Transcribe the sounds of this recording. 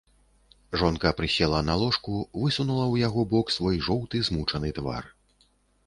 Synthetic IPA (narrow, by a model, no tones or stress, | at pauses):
ʐɔnkɐpɾɨsʲɛlˠɐnalˠɔʂkuvɨsunulˠɐwjaɣɔbɔksvɔjʐɔwt̪ɨzmut͡ʂɐnɨt̪va̰r